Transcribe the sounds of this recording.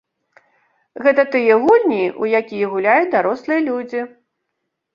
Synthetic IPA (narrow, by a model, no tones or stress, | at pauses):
ɣɛt̪ɐt̪ɨjɛɣulʲnʲiujakʲijɛɣulʲajut͡sʲd̪aɾɔslˠɨjɐlʲud͡zʲi